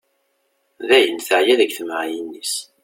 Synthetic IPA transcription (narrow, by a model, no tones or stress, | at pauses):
ðæjənθəʕjæðæɡθməʕjinːis